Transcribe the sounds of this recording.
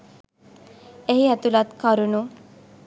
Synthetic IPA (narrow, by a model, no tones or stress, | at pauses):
eɦiɛt̪ulat̪kɔɾunu